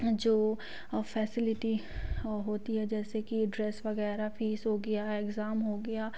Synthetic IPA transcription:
d͡ʒoː | fɛːsɪlɪʈi | ɦoːt̪iɦɛd͡ʒɛːsekiɖɾɛːsʋɐɣɛːɾafiːsɦoːɡɐjaeɡzaːmɦoːɡɐjaː

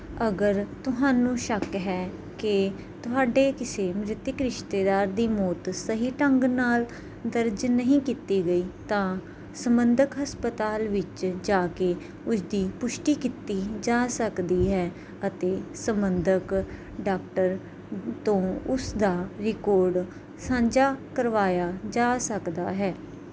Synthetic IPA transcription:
əɡəɾt̪ʊɦaːnũːʃəkɦɛː | kɪ | t̪ʊɦaːɖeːkɪseːmɾɪt̪ːɪkɾɪʃt̪eːd̪aːɾd̪iːmɔːt̪səɦiːʈəŋɡnaːl | d̪əɾd͡ʒnəɦĩːkit̪iːɡəiːt̪ãː | səmbənd̪əkɦəspət̪aːlʋɪt͡ʃd͡ʒaːke | ʊsd̪iːpʊʃʈiːkɪt̪iːd͡ʒaːsəkd̪iːɦɛː | ət̪eːsəmbənd̪ək | ɖaːk̚ʈəɾ | t̪õːʊsd̪aːɾɪkɔːɾɖ | sãːɲd͡ʒaːkəɾʋaːjaːd͡ʒaːsəkd̪aːɦɛː

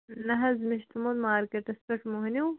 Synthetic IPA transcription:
nɐɦɐzmɪʃt̪umod̪maːɾkeʈɐspɐʈmoɦniw

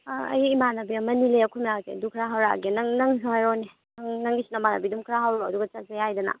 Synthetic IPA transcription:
ɐ̰jmanɐbiɐmɐnileɐkʰumɾazḛɐ̰dukʰɾaɦawɾa̰ɡenɐŋnɐŋɦajɾone | nɐŋnɐŋɡisinɐmanɐ̰bidumkʰɾaɦawɾoɐduɡɐt͡ʃɐt̚zejajdɐnɐ̰

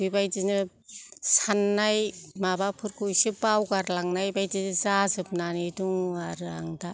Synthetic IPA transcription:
ibajd͡ʒinɯ | sanːajmabapʰɯɾkʰujsibawɡaɾlaŋnajbajdinɯzazɯp̚nanɯduŋaɾɯa̰ŋda

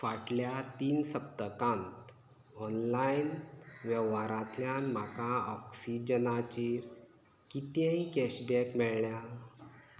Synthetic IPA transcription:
faʈljat̪iːnsəpt̪əkãnt̪ | ɔnlainʋjɛʋaɾãt̪ljanm̤akaɔksid͡ʑənat͡ɕiːɾ | kit̪jãĩkɛɕbɛkmɛɭɳja

